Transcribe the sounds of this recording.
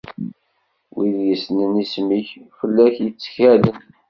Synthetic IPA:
wiðjəsnənismiçfəlːæçjət͡sːə̥çælən

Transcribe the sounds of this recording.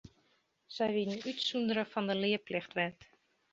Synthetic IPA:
z̥ɛjʋidənytsundəɾəfɑndəlɪəplɪxtʋɛt

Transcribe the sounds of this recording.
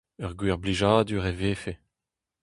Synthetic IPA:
œʁɡwiʁbliʒaːd̪yʁeveːfe

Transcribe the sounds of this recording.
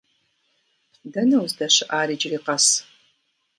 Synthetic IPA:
dɐnɐwzdɐɕɨʔaːɾiːd͡ʒriːqɐs

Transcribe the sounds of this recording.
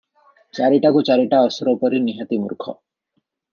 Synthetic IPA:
t͡ɕaɾiʈakut͡ɕaɾiʈaɔsɔɾɔpɔɾiniɦat̪imṵɾkʰɔ̰

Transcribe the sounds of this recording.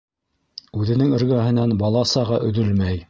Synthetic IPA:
ʉðɘ̆nɘŋɵ̆ɾɡæɦɘ̆nænbɑlˠɑsɑʁɑʔɵ̆ðɵlmæj

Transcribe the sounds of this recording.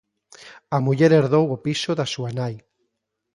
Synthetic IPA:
amuʎeɾeɾðowopisoðasuanaj

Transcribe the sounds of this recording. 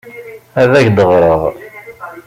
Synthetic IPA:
æðæçd̪əʁɾˤəʁ

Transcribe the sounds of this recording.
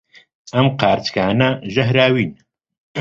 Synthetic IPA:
ɐmqʰaːɾt̪kʰaːnɐʒɐɦɾaːwiːn

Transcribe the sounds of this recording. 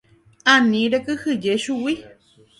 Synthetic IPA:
anĩɾekɨhɨd͡ʒeʃuwi

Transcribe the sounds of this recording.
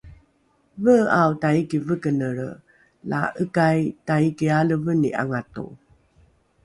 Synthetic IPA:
vəawtaikivəkənəɾ | la̰ʔəkajtaikialəvənḭʔa̰ŋatṵ

